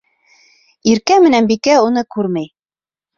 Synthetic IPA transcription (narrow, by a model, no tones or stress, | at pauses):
iɾkæmɘ̆nænbikæunɤkʉɾmæj